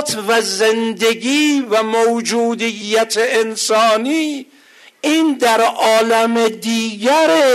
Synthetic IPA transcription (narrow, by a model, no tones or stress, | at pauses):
t̪ʰvæzend̪e̞ɡʲiːvæmowd͡ʒuːd̪ijːæt̪ʰeʔensɒːniː | iːnd̪æɾʔɒːlæmed̪iːɡæɾe